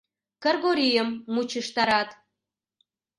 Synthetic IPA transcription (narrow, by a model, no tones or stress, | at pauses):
kə̆rɣoɾʲijəmːut͡ɕəʃt̪ɑɾɑt̪